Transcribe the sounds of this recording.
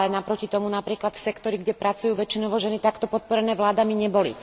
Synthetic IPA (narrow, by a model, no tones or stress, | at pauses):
ɛnapɾɔcit̪ɔmunapɾiːklat̪sɛkt̪ɔɾiɡɟɛpɾat͡sujuːʋɛt͡ʃinɔʋɔʒɛnit̪akt̪ɔpɔt̪̚pɔɾɛnɛːʋlaːd̪amiɲɛbɔlḭ